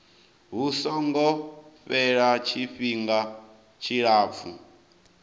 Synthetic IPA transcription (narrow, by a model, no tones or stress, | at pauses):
ɦusɔŋɡɔɸɛɺat͡ʃʰiɸiŋɡa | t͡ʃʰiɺaːp̪fu